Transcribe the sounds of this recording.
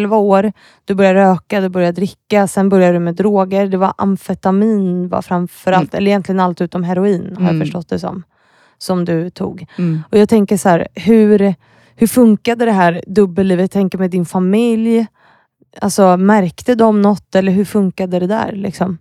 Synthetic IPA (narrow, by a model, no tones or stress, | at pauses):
lvaoːɾ | d̪̥ɵbœɾjaəɾøːkad̪ɵbœɾjad̪ɾɪkːasɛnbœɾjad̪ɾɵmɛd̪ɾoːɡəɾd̪ɛva̰ʔa̰mfɛt̪amiːnva̰fɾamfœɾalt̪ɛlːɾɪjɛnt̪lɪɡənalt̪ʉ̟ːt̪ɔmɦɛɾʊiːnhaɾjafœʂʈɔt̪̚ːd̪ɛsɔ̰m | sɔmd̪ɵt̪ʰṵːɡɔjɑːɡ̚t̪ʰɛŋkəʂhæːɾhɵɾ | hɵfɵŋkad̪əd̪ɛɦæːɾd̪ɵbːəlliːvət̪ʰːɛŋkəɾmɛd̪ɪnfamɪlj | a̰lsɔmæɾkt̪əd̪ɔmnɔt̪ːɛlːəɾɦɵɾfɵŋkad̪əd̪ɛd̪æ̰ːɾlɪ̰ksɔm